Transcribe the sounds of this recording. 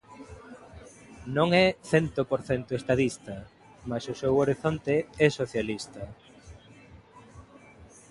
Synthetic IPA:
nõŋɛθɛnt̪opoɾθɛnt̪ʊest̪aðist̪ɐ | masʊsewoɾiθont̪eɛsoθjalist̪ɐ

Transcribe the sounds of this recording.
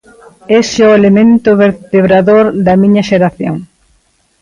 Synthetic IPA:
esʊelemẽnt̪ʊβeɾt̪eβɾaðoɾd̪ɐmĩɲɐʃeɾaθjo̰ŋ

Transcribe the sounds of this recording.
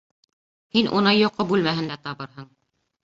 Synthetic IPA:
hinʔṵnɑjŏqːobʉlmæɦɘ̆nd̪æt̪ɑβɤɾɦɤɴ

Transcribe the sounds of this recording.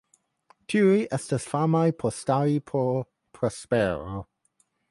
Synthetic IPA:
tʰiɹiʔɛstəsfamajpʰɔstaɹipʰɔ | pʰɹɔspɛːɹo

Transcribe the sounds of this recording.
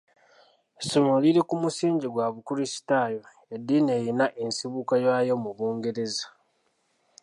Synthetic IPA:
sumoliɾekumusiːɲɟiɡwaβukuɾisi̥taːjo̞ | edːiːne̞ːjinaʔensiβukajaːjo̞muβoːŋɡe̞ɾe̞zḁ

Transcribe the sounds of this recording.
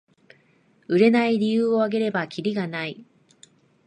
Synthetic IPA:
ɯ̟ɾe̞naiɾʲijɯːo̞aɡe̞ɾe̞bakʲʰiɾʲiɡanai

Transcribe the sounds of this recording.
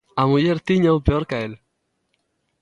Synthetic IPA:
amuʎeɾt̪iɲaupeoɾkael

